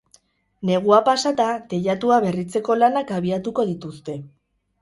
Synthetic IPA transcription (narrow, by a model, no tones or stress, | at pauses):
ne̞ɣ̞uapasat̪at̪e̞ʎat̪uaβe̞rit͡se̞ko̞lanakaβ̞iat̪uko̞ðit̪ust̪e̞